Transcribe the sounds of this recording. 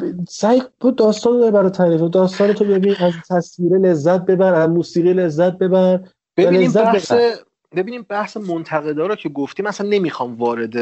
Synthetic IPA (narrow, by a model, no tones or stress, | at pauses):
sæjbod̪ɒːst̪ɒːnɒɾbæɾɔt̪ʰæɾiːfod̪ɒːst̪ɒːnet̪ʰobebiːnæzt̪ʰæsviːɾele̞zːæt̪̚be̞bæɾæzmuːsiːɣiːle̞zːæt̪̚be̞bæɾ | beællezːæes | be̞biːniːbæhsemont̪ʰæɣe̞d̪ɒːɾocʰeɡoft̪iːmæsænːe̞miːxɒːmvɒːɾed̪e